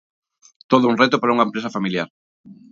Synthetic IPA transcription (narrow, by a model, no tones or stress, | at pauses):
t̪oðʊuŋret̪ʊpaɾauŋɐempɾesɐfamiljaɾ